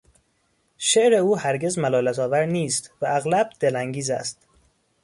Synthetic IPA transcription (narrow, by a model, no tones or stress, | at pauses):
ʃe̞ʔɾe̞uːhæɾɟezmælɒːlæt̪ʰɒːvæɾniːst̪vææɣlæbd̪̥elæŋɟiːzæ̰st̪